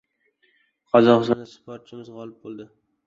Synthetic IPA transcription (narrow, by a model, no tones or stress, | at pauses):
qʰɒzɒqɨst̪ɒnd̪aspʰoɾt̪̚t͡ʃʰɪmɪzʁɒlˠɪp̚bolˠd̪ɪ